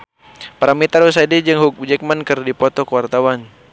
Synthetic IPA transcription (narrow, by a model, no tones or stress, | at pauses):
paɾamit̪aɾus̬adɛd͡ʒɨŋɦuk̚ud͡ʒɛk̚mankɨrdipɔt̪ɔkəwart̪awan